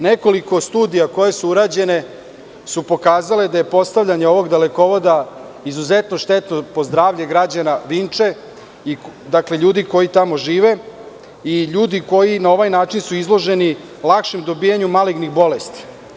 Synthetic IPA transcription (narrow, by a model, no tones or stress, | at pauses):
neko̞liko̞st̪uːd̪ijako̞je̞suuɾad͡ʑe̞ne̞ | supo̞kaːzaled̪aje̞po̞st̪aʋʎaɲeo̞ʋo̞ɡd̪eleko̞ʋo̞d̪a | izuzet̪no̞ʃt̪et̪nopo̞zd̪ɾaːʋʎʲeɡɾad͡ʑanaʋint͡ʂe̞ | id̪akleʎuːd̪iko̞jit̪amo̞ʒiːʋe | iʎuːd̪iko̞jinao̞ʋajnaːt͡ʃinsuizlˠo̞ʒe̞ni | lˠakʃemd̪o̞bijaɲumaliɡnixbo̞lest̪i̥